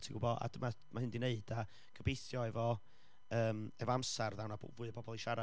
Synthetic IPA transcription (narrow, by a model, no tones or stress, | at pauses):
tʰiɡʊbɔa̰dəma | mahɦɪndineɨd̥a | ɡ̥ʰəbeɨθjɔɛvɔ | əːmɛvɔamsarðawna̰vʊːɨəpʰɔbɔlˠiʃaɾa